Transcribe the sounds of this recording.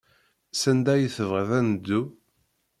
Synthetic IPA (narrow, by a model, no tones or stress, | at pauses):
sænd̪æjiθəvʁəðænd̪ːu